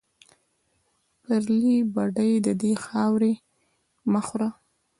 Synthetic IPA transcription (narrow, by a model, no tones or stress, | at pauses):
pəɾlibaɖəjd̪əd̪exɑwɾe | məxɾa